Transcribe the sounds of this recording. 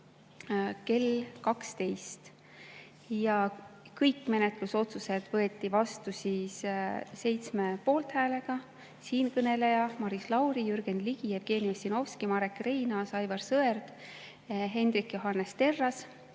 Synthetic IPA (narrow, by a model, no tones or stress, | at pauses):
ke̞lkɑkst̪e̞jst̪ | jɑkɤjkːme̞net̪ˑluso̞t̪suse̞d̪̥vɤ̞e̞t̪ːˑivɑst̪usisse̞jt̪sme̞po̞ːlt̪hæːle̞ɡ̥ɑ | siːnkɤne̞lejɑmɑɾislɑwɾijyɾɡ̥e̞nd̪liɡ̥ievɡ̥e̞ːniosino̞fskimɑɾe̞kːrejnɑsɑjvɑrsɤe̞rd̪̥ | ɦe̞nd̪ɾikːjo̞ɦɑnːe̞st̪e̞rːɑs